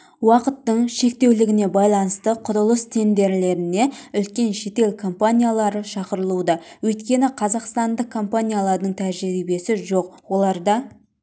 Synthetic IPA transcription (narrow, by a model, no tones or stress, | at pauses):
wɑqət̪ːəɴʃe̞k̚t̪e̞wlɪɡʲɪne̞bɑjlˠɑnəst̪əqʰʊɾʊlˠəst̪ʰe̞nd̪e̞ɾle̞ɾɪneʏlkʲe̞nʃe̞t̪e̞lkʰo̞mpanʲijalˠɑɾəʃɑqəɾəlˠud̪ɑwɵjt̪kʲe̞nɪqʰɑzɑqst̪ɑnd̪əq̚kʰːo̞mpanʲijalˠɑɾd̪əɴt̪ʰæʒɾibe̞sɪʒo̞q̚wo̞lˠɑɾd̪ɑ